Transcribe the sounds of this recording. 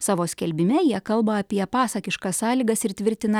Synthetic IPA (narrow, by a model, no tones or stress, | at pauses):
sɑːʋoːsʲkʲɛlʲbʲɪmʲɛjiɛkɐlˠbɐɐpʲiɛpɑːsɐkʲɪʃkɐssɑːlʲiːɡɐsɪɾt̪ʲʋʲɪɾʲt̪ʲɪnɐ